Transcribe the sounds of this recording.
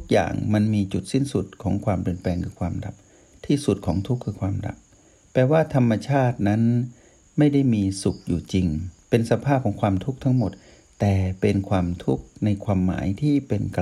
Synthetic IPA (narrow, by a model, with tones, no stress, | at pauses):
t̪ʰu˦˥k̚ja̰ː˨˩ŋma˧nmiː˧t͡ɕu˨˩t̪̚si˥˩nsu˨˩t̪̚kʰɔː˩˦ŋkʰwaː˧mpli˨˩ənplɛː˧ŋkʰɯː˧kʰwaː˧mda̰˨˩p̚ | t̪ʰiː˥˩su˨˩t̪̚kʰɔː˩˦ŋt̪ʰu˦˥kʰːɯː˧kʰwaː˧mda̰˨˩p̚ː | ɛː˨˩waː˥˩t̪ʰa˧mːa˧t͡ɕʰaː˥˩t̪̚na˦˥n | ma˥˩jda˥˩jmiː˧su˨˩k̚juː˨˩t͡ɕi˧ŋpe˧nsa˧pʰaː˥˩p̚kʰɔː˩˦ŋkʰwaː˧mt̪ʰu˦˥k̚t̪ʰa˦˥ŋmo˨˩t̪̚ | t̪ɛː˨˩pe˧nkʰwaː˧mt̪ʰu˦˥k̚na˧jkʰwaː˧mːa̰ː˩˦jt̪ʰiː˥˩pe˧nk